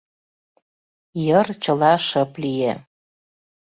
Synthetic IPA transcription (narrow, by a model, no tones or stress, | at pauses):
jərt͡ɕəlɑʃəplie